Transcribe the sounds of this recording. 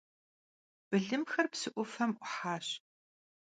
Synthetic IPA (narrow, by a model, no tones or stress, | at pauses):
b̥ɨɮɨmxɐrpsɨʔʷʊfɐmʔʷʊħaːɕ